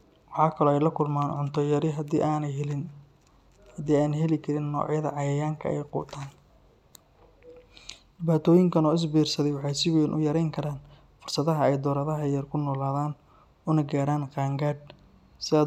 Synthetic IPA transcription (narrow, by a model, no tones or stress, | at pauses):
wɑħɑːkʰɐlɔːɛjlɐkʰʊlmaːnʕʊnt̪ʰɔjɐɾɪɦɐ̰aːnɦlɪn | hɐd̪iːaːnɛɦɛlɪkʰɐɾɪnːɔ̰ːʕjɐðɐ̰ʕɑjɐjaːŋkʰɐ̰ɛ̰jqɔ̰ːt̪ʰaːn | d̪ɪbaːt̪ʰɔːjɪŋkʰɐnɔːɪs̬biːrsɐðɛjwɑħɑjsɪwɛːnʔʊ̰jɐɾɛjŋkʰɐɾaːn | fʊrsɐðɐɦɐɛjd̪ɔːɾɐðɐɦɐjɐrkʰʊnɔːlaːðaːn | ʊnɐɡaːɾaːnqɑːŋɡaːd̪̚ | sɪɐ